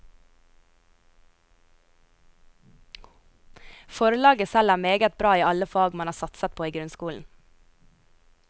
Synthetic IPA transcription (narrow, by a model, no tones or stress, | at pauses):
fɔɾəlɑːɡəsælæːmeːɡət̪̚bɾɑːiːɑləfɑːɡmɑnhɑːsɑt̪sət̪̚pʰoːiːɡɾʉnskuːln̩